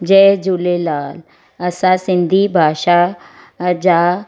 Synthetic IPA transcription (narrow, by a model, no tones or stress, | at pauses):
d͡ʒɛːd͡ʒulelaːl | ɐsãsɪ̃nd̪ʱibʱaːʃa | d͡ʒaː